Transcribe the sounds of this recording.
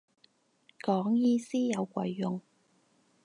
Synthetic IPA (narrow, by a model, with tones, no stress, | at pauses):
kɔː˨˥ŋjiː˥siː˥jɐ˨˧wkʷɐ̰˨˧jːʊ˨ŋ